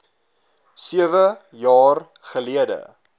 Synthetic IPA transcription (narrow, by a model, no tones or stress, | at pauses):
siəvəjɑːr | χəliədə̰